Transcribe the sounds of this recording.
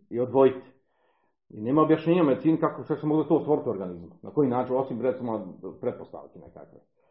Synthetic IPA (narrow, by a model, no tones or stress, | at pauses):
iod̪ʋo̞jit̪ | ineːmaobjaʃɲʲeːɲomet̪sinikakoʃkaksemoɡlat̪oːsʋoɾit̪ʲoɾɡanizmnako̞jinaːt͡ʃino̞simɾet̪simopɾet̪̚post̪a̰ʋkenḛka̰kʋḛ